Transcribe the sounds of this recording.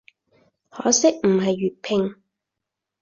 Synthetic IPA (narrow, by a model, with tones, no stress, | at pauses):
hɔː˨˥sɪ˥k̚m̩˨˩ɦɐ˨jːyː˨t̚pʰɪ˧ŋ